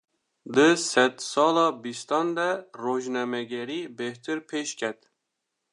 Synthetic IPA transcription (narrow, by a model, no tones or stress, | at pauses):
d̪ɨsɛt̪sɑːlɑːbist̪ɑnd̪ɛroʒnɛmɛɡɛɾiːbeht̪ʰɨɾpʰeʃkʲʰɛt̪